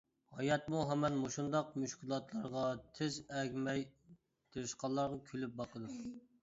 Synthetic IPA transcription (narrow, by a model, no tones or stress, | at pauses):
hɑjɑt̪̚muɦɛmɛnmoʃund̪ɑqmyʃkʲilˠɑt̪lˠɑɾʁɑt̪ʰɪzɛɡʲmɛj | t̪ʰeɾɪʃqɑlˠːɑɾʁɑkʲʰølyp̚bɑqʰəd̪u